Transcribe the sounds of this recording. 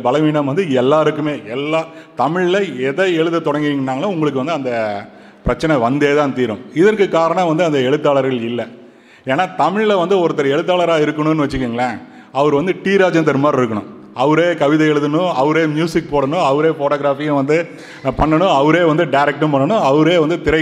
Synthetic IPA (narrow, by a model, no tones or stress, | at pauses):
bɐlɐʋiːnɐmʋɐnd̪ɯɛlːaːɾɯkːɯmeːɛlːaːt̪ɐmɪɻɪlɐɛðɐɛɻɯðɯt̪ːɔɽɐŋɡɯiŋɡɐnːaːɡɐlãʊŋɡɐɭɯkːɯʋɐnd̪ɯɐnd̪ɐ | pɾɐt͡ʃːɐnɛʋɐnd̪eːt̪ãːnt̪iːɾɯ̃mɪðɐrkːɯkːaːɾɐɳɐ̃ʋɐnd̪ɯɐnd̪ɐɛɻɯt̪ːaːlɐɾɣɐɭɪlːɐ | eːnːaːt̪ɐmɪɻlɐʋɐnd̪ɯɔɾɯt̪ːɐɾɐɛɻɯt̪ːaːɭɐɾaːɪɾɯkːɐɳʊ̃nːɯʋɐt͡ʃːɯkːiːŋɡɐɭɐ | ɐʋɐɾʋɐnd̪ɯʈiːɾaːd͡ʒɐnt̪ɐɾɯmaːɾɪɾɯkːɐɳʊ̰̃ | ɐʋɐɾeːkɐʋɪðɐɛɭɯðɐnʊ̃ɐʋɐɾeːmjuːsɪk̚poːɽɐɳʊ̃ɐʋɐɾeːfoːʈoːɣɾaːfiːjɐ̃ʋɐnd̪ɯ | pɐɳːɐɳʊ̃ɐʋɐɾeːʋɐnd̪ɯɖɐɪɾɛk̚ʈːɐ̃mpɐɳːɐɳʊ̃ɐʋɐɾeːʋɐnd̪ɯt̪ɪɾɐ